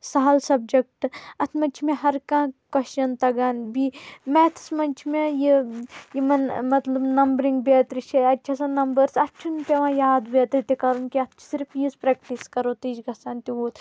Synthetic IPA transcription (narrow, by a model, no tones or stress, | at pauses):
saɦɐlsɐb̚d͡ʒek̚ʈɐt̪ʰmɐnt͡ʃʰimẽɦɐɾkãːkɐʃɐnt̪ɐɡaːnbimɛt̪ʰsmɐnt͡ʃʰmẽjejimɐnmɐt̪lɐbnɐmbɾiŋɡbeːt̪ɾit͡ʃʰeɐtːt͡ʃʰasãnɐmbɐɾsɐt̪t͡ʃʰunpʲeʋãːjaːd̪beːt̪ɾit̪ikɐɾunkiɐt̪ʰt͡ʃʰi̥siɾpʰjizpɾɛːkʈiskɐɾoːt̪iːd͡ʒɡʱɐsaːnt̪iʋoːt̪